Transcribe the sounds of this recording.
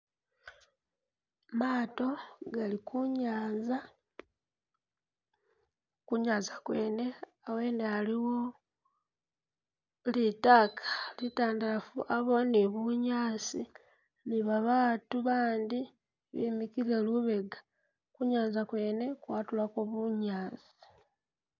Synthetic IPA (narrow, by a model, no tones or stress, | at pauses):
maːto̞ɡalikuɲaːza | kuɲaːzakwe̞ːne̞ | awe̞nealiwo | litaːkʰḁlitaːndafuʔaβo̞niβuɲaːzi | niβaβaːtuβaːndi | βḭmikiɾe̞luβe̞ɡḁ | kuɲaːzakwe̞ːne̞kwaːtulakoβuɲaːzi̥